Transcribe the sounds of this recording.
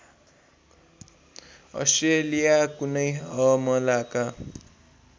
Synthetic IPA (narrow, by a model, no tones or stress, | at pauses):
ʌ̰sʈrelijakunʌjʌmʌlaka